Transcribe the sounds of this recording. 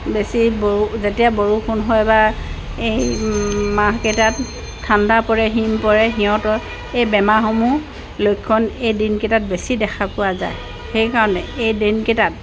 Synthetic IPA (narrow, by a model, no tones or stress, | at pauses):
besibouzetijaboɹukʰunɦɔjba | ej | maɦketat | tʰːandapɔɹɛɦimpɔɹɛɦiɔ̃tɔ | ejbɛmaxɔmu | lojkʰːɔnejdinketat̚besidɛxʰapʊwaza̰j | xejkaɹɔnɛejdinketat̚